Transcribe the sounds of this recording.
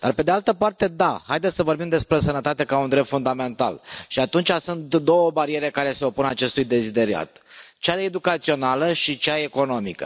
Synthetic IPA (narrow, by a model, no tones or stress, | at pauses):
d̪̥arpe̞d̪ealt̪əpart̪e̞d̪ahajd̪esʲsəvo̞rɾbimd̪e̞spɾe̞sənət̪at̪e̞kaund̪ɾep̚t̪fund̪ame̞nt̪a̰lʃiat̪unt͡ʃasunt̪d̪o̞wəbaɾie̞ɾe̞kaɾe̞se̞o̞punat͡ʃe̞st̪ujd̪e̞zid̪e̞ɾia̰t̪t͡ʃaed̪ukat̪sio̞naləʃit͡ʃaeko̞no̞mikə̰